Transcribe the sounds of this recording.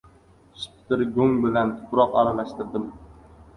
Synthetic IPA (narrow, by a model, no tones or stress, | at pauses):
spt̪ɪɾɡɵŋbɪlant̪ʰʊ̥pɾɒqa̰ɾalaʃt̪ɪɾd̪ɪm